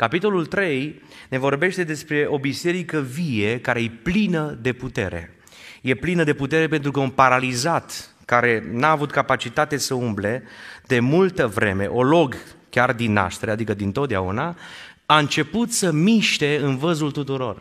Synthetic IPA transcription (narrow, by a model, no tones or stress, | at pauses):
kapit̪o̞lult̪ɾe̞jne̞vo̞rbe̞ʃt̪e̞d̪e̞spɾe̞ʔo̞bise̞ɾikəvijekaɾe̞jeplinəd̪e̞put̪e̞̰ɾe̞̰ | je̞plinəd̪e̞put̪e̞ɾe̞pe̞nt̪ɾukəunpaɾalizat̪ | kaɾe̞naːvut̪kapat͡ʃit̪at̪e̞səumble̞d̪̥e̞mult̪əvɾʔe̞̰mḛʔo̞lo̞ɡkʲard̪inːa̰ʃt̪ɾead̪ikəd̪int̪ot̪̚d̪eaṵna | aɨnt͡ʃe̞put̪səmiʃt̪e̞ɨnvəzult̪ut̪uɾo̞r